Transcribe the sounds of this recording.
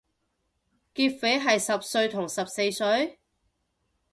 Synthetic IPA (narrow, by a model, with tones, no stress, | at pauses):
kiː˧t̚fe˨˥jɦɐ˨jsɐ˨p̚sɵ˧ɥt̪ʰʊ˨˩ŋsɐ˨p̚se˧jsɵ˨˥ɥ